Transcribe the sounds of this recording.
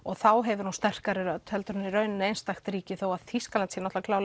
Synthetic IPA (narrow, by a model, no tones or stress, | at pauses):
ɔɣθawɦɛvʏɾhunst̪ɛr̥kaɾɪɾœt̪ːhɛlt̪ʏɾʏnːɪɾœːɥnnejnst̪axt̪ɾiːcɪθowaðθiskalant̪sɛnɔht̪lakʰlaːwl